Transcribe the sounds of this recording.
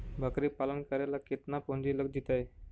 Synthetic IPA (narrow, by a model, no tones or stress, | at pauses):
bʱəkɾipalənkəɾjalaket̪napoɳd͡ʑiːləɡd̪it̪aje